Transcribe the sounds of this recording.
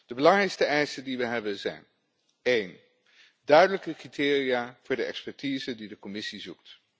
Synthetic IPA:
d̥əbəlɑŋrɛjkstəɛjsəndiʋəɦɛbənzɛ̰jn | ejn | dœɥdələkəkritɪːrijaːvʊːɹdəɛ̰kspɛɹtizəndidəkɔmɪsizuk̚t

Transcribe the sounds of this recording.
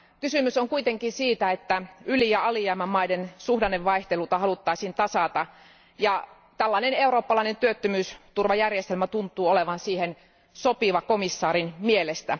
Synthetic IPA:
kysymysoŋkuit̪eŋkinsiːt̪æet̪ːæylijɑɑliæimæmmɑidensuhdɑneʋʋɑiht̪elut̪ɑhɑlut̪ːɑisiːnt̪ɑsɑt̪ɑ | jɑ | t̪ælːɑineneuroːpːɑlɑinent̪yøt̪ːømyːst̪urʋɑjærjest̪elmæt̪unt̪ːˑuːoleʋɑnsiːhen | sopiʋɑkomisːɑːɾinmielest̪æ

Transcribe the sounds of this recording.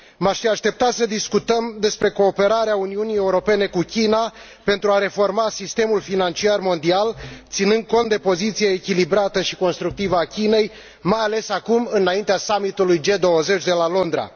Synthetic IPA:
maʃfiaʃt̪e̞p̚t̪asəd̪iskut̪əmd̪e̞spɾe̞ko̞ːpe̞ɾaɾeauniunije̞uɾo̞pe̞ne̞kukʲina | pe̞nt̪ɾuaɾe̞fo̞rmasist̪e̞mulfinant͡ʃiarmo̞nd̪ialt̪sinɨnd̪̚ko̞nt̪d̪e̞po̞zit̪sijeːkʲilibɾat̪əʃi̥ko̞nst̪ɾuk̚t̪ivəakʲine̞j | majale̞sakumɨnaint̪easamit̪ulujd͡ʒe̞d̪o̞wəze̞t͡ʃʲd̪e̞lalo̞nd̪ɾa̰

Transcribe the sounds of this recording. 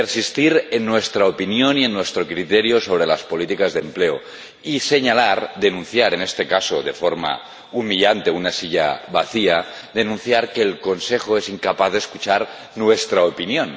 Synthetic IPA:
peɾsist̪iɾenːwe̞st̪ɾaopinjonie̞nːwe̞st̪ɾo̞kɾit̪eɾjoso̞β̞ɾe̞laspo̞lit̪ikazðe̞mple̞o | ise̞ɲalaɾd̪e̞nũnθjaɾe̞ne̞st̪e̞kasoðe̞fo̞ɾma̰ | umiʎant̪e̞unasiʎa̰βaθia | d̪e̞nũnθjaɾke̞ːlko̞nse̞xoesiŋkapaθðeskut͡ʃaɾ | nwe̞st̪ɾaopinjo̞n

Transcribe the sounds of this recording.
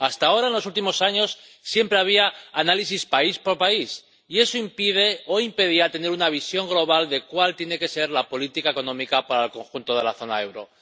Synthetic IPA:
ast̪ao̞ɾaenlo̞sult̪imo̞saɲo̞sːje̞mpɾe̞aβ̞iaːnalisispaispoɾpais | ie̞so̞impið̞e̞o̞impe̞ðiat̪e̞ne̞ɾunaβ̞isjo̞ŋɡlo̞β̞ald̪e̞kwalt̪je̞ne̞ke̞se̞ɾlapo̞lit̪ikae̞ko̞nõ̞mikapaɾaelko̞ŋxunt̪o̞ðe̞laθo̞na̰e̞wɾo̞̰

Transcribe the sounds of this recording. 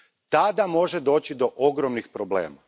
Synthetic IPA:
t̪ad̪amo̞ʒed̪o̞ːt͡ɕid̪o̞ʔoɡɾomnixpɾoblḛːma

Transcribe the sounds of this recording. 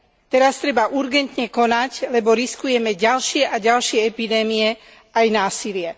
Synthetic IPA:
t̪ɛɾast̪ɾɛbaʔuɾɡɛnt̪ɲɛkɔnaclɛbɔɾiskujɛmɛɟalʃɪɛʔaɟalʃɪɛɛpid̪ɛːmijɛ | ʔajnaːsilɪɛ

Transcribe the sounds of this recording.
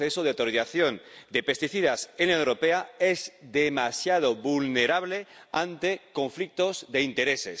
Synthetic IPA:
esoð̞eawt̪oɾiθaθjond̪epest̪iθiðasenlaoewɾopeaezðemasjað̞oβulneɾaβleant̪ekõ̞ɱflik̚t̪ozðe̞int̪e̞ɾeses

